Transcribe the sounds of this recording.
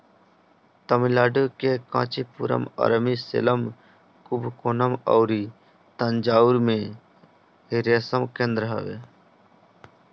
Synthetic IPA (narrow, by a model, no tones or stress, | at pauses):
t̪əmilaːɖokekã̰ːt͡ʃipṵːɾə̰mɐ̰ɾmisḛləm | kubkoːnəməwɾiː | t̪ənd͡ʒaːuɾmẽː | ɦiɾjasəmkẽnd̪ɾəɦə̰ʋḛː